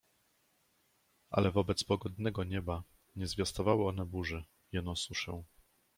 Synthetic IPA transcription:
ʔa̰lɛvɔbɛt̪spɔɡɔd̪nɛɡɔɲɛba | ɲɛzvʲjast̪ɔvawɘɔnɛbuʐɛ | jɛnɔsuʂɛw̃

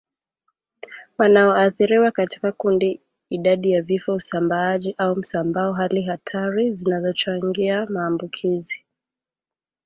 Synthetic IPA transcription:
wanaɔaθiɾiwakati̥kakundi | iɗaɗijavifɔusambaaʄiʔaum̩sambaɔɦaliɦatʰaɾizinazɔt͡ʃaŋɡiamaːmbukʰizi

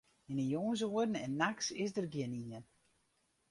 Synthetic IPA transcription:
inəjoːns̬oədn̩ɛnːaksɪsdərɡjɪəniən

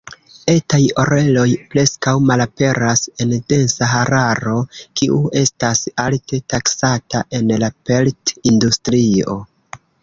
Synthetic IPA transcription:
e̞tajo̞ɾe̞lo̞jpɾe̞skawmalape̞ɾase̞nde̞nsaɦaɾaɾo̞kiʔue̞stasalte̞taksataʔe̞nlape̞ltindustɾio̞̰

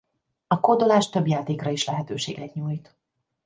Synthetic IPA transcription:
ɒko̞d̪o̞laːʃt̪øbjaːt̪eːkrɒiʃlɛɦɛt̪øːʃḛːɡɛt̪ɲuːjt̪

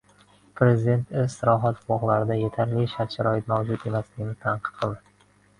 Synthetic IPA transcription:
pʰɾe̞zɪd̪e̞nt̪ɪsɪɾɒɦat̪bɒʁlˠaɾɪd̪aje̞t̪ʰaɾlɪʃaɾʃaɾɒɪt̪mawd͡ʒʊt̪e̞maslɪɡʲɪnɪt̪ʰanqʰɨ̥t̪̚qʰɨlˠd̪ɪ

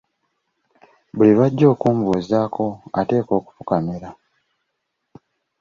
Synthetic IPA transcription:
βuliβaɟːo̞ːkuːmvuzaːkʰo̞a̰te̞ːko̞ːku̥fukamiɾa

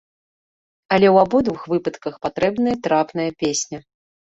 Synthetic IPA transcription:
ɐlʲɛwabud̪vɨxvɨpɐt̪kɐxpat̪ɾɛbnɨjɐt̪ɾapnɐjɐpʲesʲnʲɐ

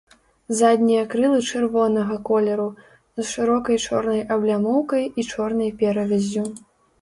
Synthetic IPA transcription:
zad̪ʲnʲijɐkɾɨlˠɨt͡ʂɨrvɔnɐɣɐkɔlʲɛɾu | zʂɨɾɔkɐjt͡ʂɔ̰rnɐjʔɐblʲamɔwkɐjit͡ʂɔrnɐjpʲɛɾɐvʲɛzʲːu

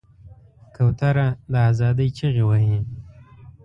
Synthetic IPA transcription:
kʰawt̪aɾalaazɑd̪əjt͡ʃiɣewaɦi

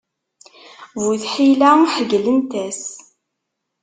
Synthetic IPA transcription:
vuθħilæħəɡlənt̪æs

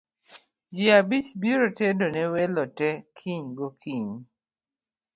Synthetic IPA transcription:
d͡ʒiabit͡ʃbiɾotɛdonɛwɛlɔtɛkʰiɲɡokʰiɲ

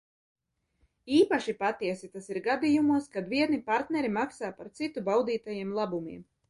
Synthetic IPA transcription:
iːpaʃipat̪iɛsit̪asiɾɡad̪ijumuɔskad̪viɛnipaɾt̪nɛɾimaksaːpaɾt̪sit̪ubawd̪iːt̪ajiɛmlˠabumiɛm

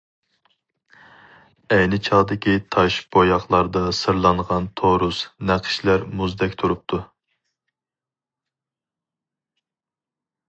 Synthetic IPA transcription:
ɛjnɪt͡ʃʰɑːd̪ɪkʲʰit̪ʰɑʃb̥ojɑχlˠɑɾd̪ɑsɨɾlˠɑɴʁɑnt̪ʰoɾusnæqʰɨ̥ʃlæɾmuzd̪ɛkʲt̪ʰuɾup̚t̪ʰu

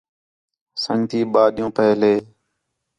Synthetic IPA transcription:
səŋt̪iːɓaːɗɪjũːpəɦleː

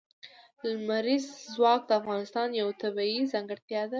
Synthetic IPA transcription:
lmaɾizzwɑk̚d̪əafɣɑnɪst̪ɑnjawt̪abɑizɑŋɡəɽt̪jɑd̪a

